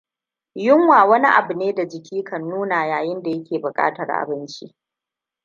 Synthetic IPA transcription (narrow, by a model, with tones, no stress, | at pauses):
jʊ˦ŋwaː˨wɐ˦ni˦ʔa̰˨bʊ˨neː˦da˨d͡ʒɪ˨kʲiː˦kʰɐ˨nːuː˦naː˨jaː˨jɪ˦nda˨jɐ˦kʲeː˨bʊ˨kʼa̰ː˦tɐ̰˨rʔa̰˨bɪ˦nt͡ʃi˦ʔ